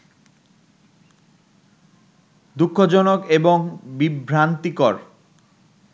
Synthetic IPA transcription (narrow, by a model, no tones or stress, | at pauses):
d̪ukʰːod͡ʑɔnokeboŋbibʱɾant̪ikɔɾ